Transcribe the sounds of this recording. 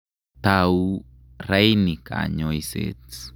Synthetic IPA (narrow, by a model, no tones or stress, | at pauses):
t̪aw | ɾejnikʰa̰ɲojsḛt͡s